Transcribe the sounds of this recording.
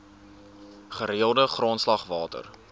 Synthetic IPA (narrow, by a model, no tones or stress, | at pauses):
χəɾiəlˠdəχroːnslɐχvɑːtə̰r